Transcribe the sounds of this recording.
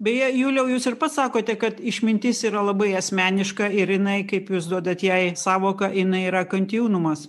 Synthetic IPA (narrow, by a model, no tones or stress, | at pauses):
bʲɛjɛjuːlʲɛʊjuːsɪrpɐt̪sɑːkoːt̪ʲɛkɐt̪ɪʃʲmʲɪnʲt̪ʲɪsiːɾɐlˠɐbɐɪɐsʲmʲæːnʲɪʃkɐɪɾjɪnɐɪkɐɪpjuːsd̪uɔd̪ɐt̪jɛɪsɑːʋoːkɐɪnɐɪiːɾɐkɐnʲt̪ʲɪjuːnʊmɐs